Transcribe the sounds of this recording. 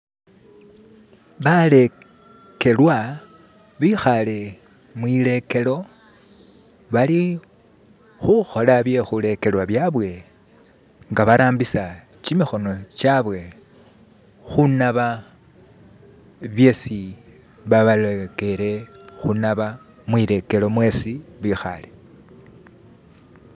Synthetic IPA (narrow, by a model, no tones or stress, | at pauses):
βale̞ | ke̞lwa | βixale̞ | mwiːle̞ke̞lo̞ | βali | xuxo̞laβje̞xule̞ke̞lwaβjaβwe̞ | ŋɡaβaɾaːmbisa | t͡ʃimixo̞no̞t͡ʃaβwe̞ | xunaβa | βjesi | βaβaleke̞ɾe̞xunaβa | mwile̞ke̞lo̞mwe̞siβixa̰le̞